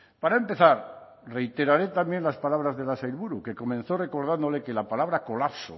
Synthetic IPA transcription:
paɾaempeθaɾ | re̞jt̪e̞ɾaɾe̞t̪ambje̞nlaspalaβ̞ɾazðelasajlβuɾuke̞ko̞mẽnθo̞re̞ko̞ɾð̞and̪o̞le̞ke̞lapalaβ̞ɾako̞lapso̰

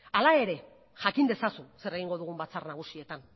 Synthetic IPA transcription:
alae̞ɾe̞ | ʝakind̪e̞sasuse̞ɾe̞ɣ̞iŋɡo̞ðuɣ̞umbat͡sarnaɣ̞usie̞t̪an

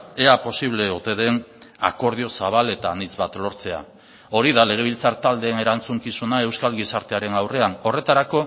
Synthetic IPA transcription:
eapo̞siβ̞le̞ut̪e̞ðe̞na̰ko̞ɾð̞io̞saβ̞ale̞t̪anit͡sβat̪lo̞ɾt͡se̞a̰ | o̞ɾiðale̞ɣ̞e̞β̞ilt͡saɾt̪ald̪e̞ːne̞ɾant͡suŋkisunae̞wskalɣisaɾt̪e̞aɾe̞nawre̞ano̞re̞t̪aɾako̞

